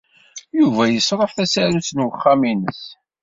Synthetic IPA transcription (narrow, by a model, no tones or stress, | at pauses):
juvæjəsɾˤəħθæsæɾusnwəχːaminəs